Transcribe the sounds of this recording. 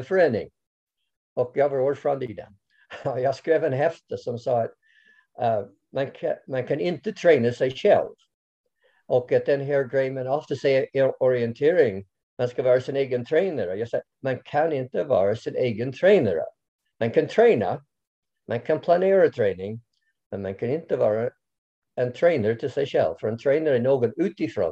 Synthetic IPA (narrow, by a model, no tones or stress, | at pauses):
əfɹɛ̃nɪ̰̃ŋ | ɔk̚javə˞ɔɹfɹãnd̪id̪ə̰ | jaskɹevə̃nɦɛft̪əsɔ̃msɑt̪̚ | mɛ̃nkʰmɛ̃nkʰæ̃nɪ̃nt̪ɨt̪ʰɹ̥ẽɪ̃nəseɪʃɛ̰lˠv̥ | ʔɔkət̪̚ðɛ̃nɦɛɹɡɹeɪmɛ̃nɔft̪ʰəseɪɔɹiɨ̃nt̪ʰɪɹɪ̃ŋ | mãnskavɑːɹasɪneːɡənt̪ʰɹeɪnəɾjɑsɛ | mãnkʰãnɪ̃nt̪əvɑ̰ːɹasɪneːɡənt̪ʰɹeɪnəɹə̰ | mãnkʰãnt̪ʰɹeɪnə̰ | mʔãnkʰãnpʰlanɪːɹət̪ʰɹeɪnɪ̃ŋ | mɛ̃nmãnkʰãnɪ̃nt̪əvɑːɹa | ɛ̃nt̪ʰɹeɪnəɹt̪ʰɪlsɛɪʃɛ̰lˠv̥fəɹɛ̃nt̪ʰɹeɪnəɹɛnoːɡɔnʉːt̪ɪfɹɔ̰̃n